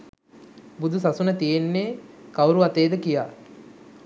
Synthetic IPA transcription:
bud̪ʱusasunət̪ijenːeːkawɾuʋat̪eːd̪əkijaː

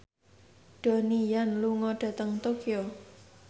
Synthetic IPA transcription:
ɖ̥o̤nijanluŋɔɖ̥a̤t̪əŋt̪okio

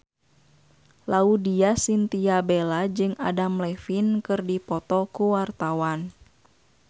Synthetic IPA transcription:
laudiasint̪iabɛlad͡ʒɨŋa̰damlɛfinkɨrdipɔt̪ɔkuwart̪awan

